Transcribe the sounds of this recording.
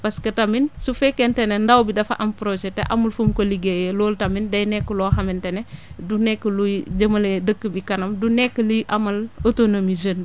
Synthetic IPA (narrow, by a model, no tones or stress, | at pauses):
pɐskɐtɐminsufɛkːentenendɐwbidɐfɐ̰ʔɐmpɾod͡ʒɛtḛʔɐ̰mɐlfumkoliɡejeloːltɐmindɐjnɛkːəloːhɐmentenedunɛkːəlujd͡ʒəmɐledəkːəbikɐnɐmdunɛkːəliʔɐmɐlotonomizən